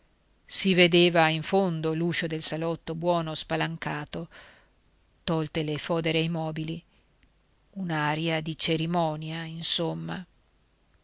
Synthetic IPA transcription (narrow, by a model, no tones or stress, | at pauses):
sived̪eːvaiɱfond̪oluːʃod̪elsalɔt̪ːobwɔːnospalaŋkaːt̪o | t̪ɔlt̪elefɔːd̪eɾeimɔːbili | unaɾjad̪it͡ʃeɾimɔːnjainsomːa̰